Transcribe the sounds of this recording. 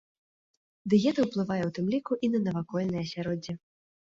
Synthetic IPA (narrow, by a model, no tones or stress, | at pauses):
d̪ɨjɛt̪ɐwplˠɨvajɛwt̪ɨmlʲikuʔinɐnɐvakɔlʲnɨjɐsʲaɾɔd͡zʲi